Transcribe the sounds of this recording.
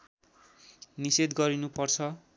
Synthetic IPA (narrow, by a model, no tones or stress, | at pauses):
nised̪ɡʌɾinupʌrt͡sʰʌ